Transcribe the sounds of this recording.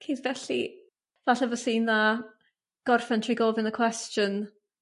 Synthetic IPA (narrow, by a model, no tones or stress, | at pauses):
kʰedvɛɬḭ | v̥aɬɛvɔsiːna | ɡ̥ɔrfɛntʰriɡɔvɪnəkʰw̥ɛstjən